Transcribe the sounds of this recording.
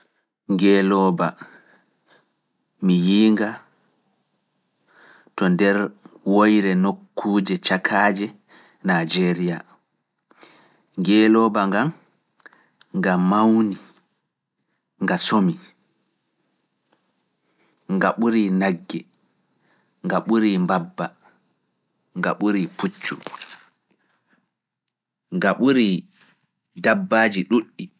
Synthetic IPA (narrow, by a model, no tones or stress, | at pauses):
ŋɡɛlɔːba | mijiːŋɡa | tɔndɛɾwojɾɛnokːuːd͡ʒɛt͡ʃakʰaːd͡ʒɛ | nad͡ʒeɾija | ŋɡɛːlɔːbaŋɡam | ŋɡammːawni | ŋɡasomi | ŋɡaɓuɾinaɡːɛ | ŋɡaɓuɾimbabːa | ŋɡa̰ɓuɾiput͡ʃːṵ | ŋɡaɓuɾi | dabːaːd͡ʒiɗuɗːi